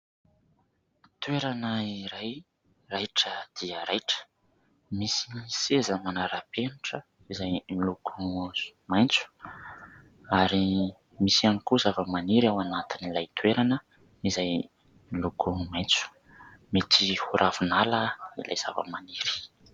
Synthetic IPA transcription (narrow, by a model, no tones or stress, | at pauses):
t̪weɾanəiɾaj | rajʈ͡ʂəd̪̥iəɾajʈ͡ʂə̥ | misisezəmanaɾapenuʈ͡ʂə | izajmilukʰumajnt͡su̥ | aɾi | misianikuzavəmaniɾawanat̪inilajt̪ʰweɾanə | izaj | milukumajnt͡su̥ | met̪ʰihuɾʔavunaləila̰jz̥a̰və̰maniɾi̥